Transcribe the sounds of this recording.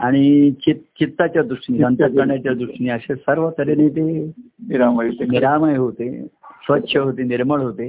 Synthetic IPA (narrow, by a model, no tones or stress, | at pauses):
aɽ̃it͡ɕit̪t͡ɕit̪ːat͡ɕjad̪ɾuʂʈniːsənt̪ak̪əɳjat͡ɕjad̪ɾuʂʈniːəɕesəɾʋət̪əɾeneit̪e | niɾamajɦot̪eniɾamajɦot̪esʋətːɕʰəɦot̪eniɾməɭɦot̪e